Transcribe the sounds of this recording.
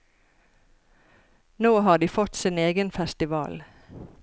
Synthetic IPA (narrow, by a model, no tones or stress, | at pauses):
noːhɑːd̪iːfɔt̪sineːɡənfɛst̪ɪʋɑ̰ːl